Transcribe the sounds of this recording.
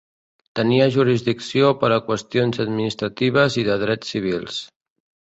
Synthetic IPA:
t̪əniəʒuɾizðiksiopəɾəkwəst̪ionzəd̪minist̪ɾət̪iβ̞əziðəðɾɛt͡sːiβ̞ilˠs

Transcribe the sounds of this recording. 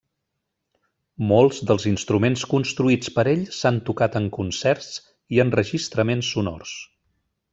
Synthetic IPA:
molˠzðəlˠzinst̪ɾumenskunst̪ɾuit͡spəɾeʎsant̪ukat̪əŋkunsɛrs | iənrəʒist̪ɾəmensːunɔ̰rs

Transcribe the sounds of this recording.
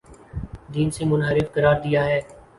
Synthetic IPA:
d̪iːnseːmʊnɦəɾɪfkəɾaːɾd̪ɪjaːɦɛː

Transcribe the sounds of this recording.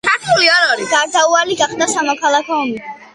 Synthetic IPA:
kʰaɾt̪ʰuliaɾaɾiɡaɾd̪aualiɡaχsd̪asamɔkʰalˠakʰɔɔmi

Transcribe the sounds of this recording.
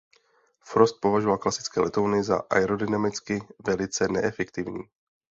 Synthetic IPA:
fɾost̪̚po̞vaʒovalklasɪ̥t͡skɛːlɛt̪ownɪza̰ʔa̰jɾodɪnamɪt͡skɪvɛlɪt͡sɛnɛ̰ʔɛfɛkt̪ɪvɲḭː

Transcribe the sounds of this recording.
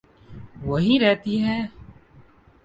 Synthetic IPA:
ʋɐɦiɾɛɦt̪iɦɛ̃ː

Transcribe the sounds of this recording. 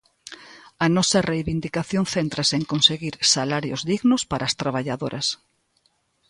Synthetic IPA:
ɐnɔsɐrejβind̪ikaθjoŋθent̪ɾɐseŋkonseɣiɾsalaɾjo̰zðiɣnʊspaɾʔast̪ɾaβaʎaðoɾʔɐs

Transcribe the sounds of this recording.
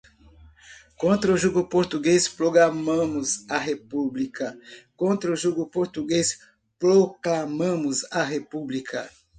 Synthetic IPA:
kõnt̪ɾɐuʒuɡʊpoɾt̪uɡespɾoɡɾamɐ̃mʊzɐɦepublikɐkõnt̪ɾɐʊʒuɡʊpoɾt̪uɡes | pɾoklamɐ̃mʊzɐɦepublikʰɐ̰

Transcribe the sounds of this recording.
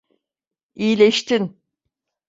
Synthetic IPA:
ijlʲeʃt̪in

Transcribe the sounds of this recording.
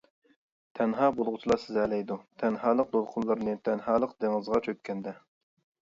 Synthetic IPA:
t̪ʰɛnɦɑːbolˠʁʊt͡ʃʰilˠɑsɪzɛlɛjd̪ut̪ʰɛnɦɑːlˠəq̚d̪olˠqʰʊnlˠɨɾnɨt̪ʰɛnhɑːlˠəqd̪eŋɨzʁɑt͡ʃʰøkʲkʲʰːɛnd̪ɛ

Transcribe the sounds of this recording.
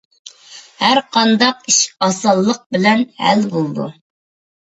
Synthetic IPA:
hæɾqʰɑnd̪ɑq̚iʃɑsɑlˠːəq̚bɪlɛnhæ̰lbolˠd̪ṵ

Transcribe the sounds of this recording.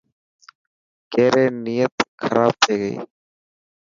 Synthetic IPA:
keːɾeːniːjət̪xʰəɾʔaːb̚t̪ʰeːɡəḭː

